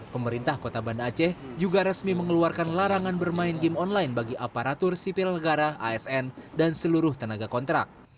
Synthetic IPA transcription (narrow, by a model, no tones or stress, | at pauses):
pəməɾint̪ahkot̪abandaːt͡ʃɛhd͡ʒuɡaɾəsmiməŋəluarkanlaɾaŋanbərmaɪnɡɪmɔnlajnbaɡiʔapaɾat̪ʊrsipɪlnəɡaɾaʔaɛsɛndansəluɾʊht̪ənaɡakɔnt̪ɾa̰k̚